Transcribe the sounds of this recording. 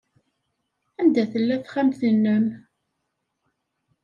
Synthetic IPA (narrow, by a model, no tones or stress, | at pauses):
ænd̪æθəlːæθχæmθənːəm